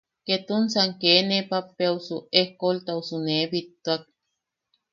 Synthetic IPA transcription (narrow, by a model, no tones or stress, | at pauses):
ket̪unsaŋkeːnepapːeausuehkolt̪ausunebit̪ːuak̚